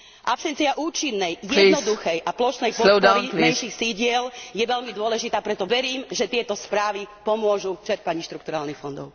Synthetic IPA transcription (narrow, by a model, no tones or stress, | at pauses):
ʔapsɛnt͡siaʔuːt͡ʃinːɛjjɛnɔd̪uxɛjʔaplɔʃnɛjpɔɔɾiɛjʃixsiɟɪɛljɛʋɛʎmid̪ʊɔlɛʒit̪aːpɾɛt̪ɔʋɛɾiːmʒɛt̪ɪɛt̪ɔspɾaːʋipɔmʊɔʒut͡ʃɛɾpaɲiʃt̪ɾukt̪uɾaːlnixfɔnd̪ɔ̰ʊ